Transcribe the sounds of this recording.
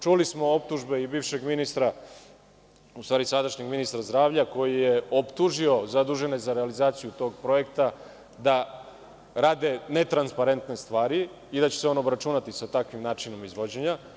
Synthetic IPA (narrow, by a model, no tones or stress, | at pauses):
t͡ʃulismo̞o̞p̚t̪uʒbe̞ibiːʋʃe̞ɡminist̪ɾa | ust̪ʋaːɾisad̪aʃɲeɡminist̪ɾazd̪ɾaːʋʎako̞jije̞opt̪uʒio̞zad̪uʒe̞ne̞zaɾealizaːt̪sijut̪o̞ːɡpɾo̞e̞k̚t̪a | d̪a | ɾaːd̪e̞ne̞t̪ɾanspaɾe̞nt̪ne̞st̪ʋaːɾi | id̪at͡ɕeseo̞nobɾat͡ʃunat̪isat̪akʋimnaːt͡ʃino̞mizʋo̞d͡ʑeɲa